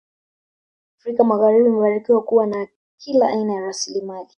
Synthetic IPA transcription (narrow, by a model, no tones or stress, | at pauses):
afɾikamaɣaɾibimɛfaɾikiwakuwana | kʰilaʔainajaɾasilimali